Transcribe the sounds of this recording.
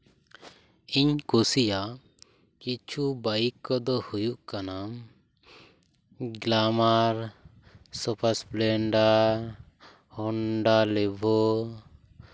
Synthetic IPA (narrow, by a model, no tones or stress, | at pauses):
iɲkusija | kit͡ʃʰubaikːɔd̪ɔhujuʔkanam | ɡlamaɾ | sɔpʰasplɛɳɖaɾ | hɔɳɖalɛbʱɔ